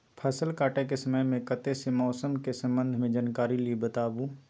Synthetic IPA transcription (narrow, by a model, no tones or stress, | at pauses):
pʰɐsəlkaːʈekesɐməjmẽkɐt̪esemɔːsəmkesɐ̃mbə̃nd̪ʱmẽd͡ʒaːnkaːɾilibət̪aːbuː